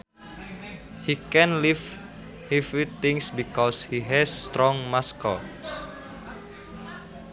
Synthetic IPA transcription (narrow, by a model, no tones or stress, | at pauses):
hikɛ̃nliv | hifwit̪ːĩŋsbikɔshiɦɛsːt̪ɾɔ̃ŋmaskə̰l